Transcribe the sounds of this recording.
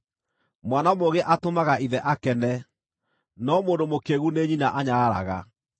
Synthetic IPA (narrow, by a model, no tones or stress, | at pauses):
mwanamoɣeʔatomaɣaʔiðɛʔakɛnɛ | nɔmoːndomokeɣuneɲinaʔaɲaɣaɾa̰ɣa̰